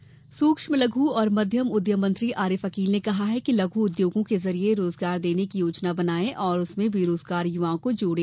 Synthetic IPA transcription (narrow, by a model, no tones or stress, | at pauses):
suːkʃmẽlɐɡʱuɔːɾmɐd̪ʱjəmʊd̪ʱjəmːɐ̃nt̪ɾiʔaːɾɪfɐkiːlnekɐɦaɦɛkilɐɡʱuʊd̪joːɡõkezɐɾieɾoːzɡaːɾd̪eːnekijoːt͡ʃnabɐnaːẽʔɔːɾʊsmẽbʱiɾoːzɡaːɾjʊʋaːõkod͡ʒoːɽẽː